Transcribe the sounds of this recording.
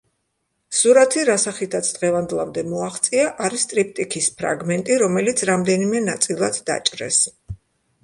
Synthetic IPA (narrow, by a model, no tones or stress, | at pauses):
suɾat̪ʰiɾasaχit̪ʰat̪sʰd̪ʁɛvand̪lˠamd̪ɛmɔaχt̪sʼiaʔaɾist̪ʼɾip̚ʰt̪ʼikʰispʰɾa̰ɡmɛnt̪ʼiɾɔmɛlit̪sʰɾamd̪ɛnimɛnat̪sʼilˠad̪d̪a̰t͡ʃʼɾɛ̰s